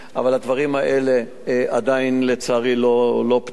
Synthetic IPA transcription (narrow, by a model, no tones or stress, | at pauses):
ʔa̰valad̪vaʁimaʔele̞ | ʔad̪ainlet͡saʁilolo̞p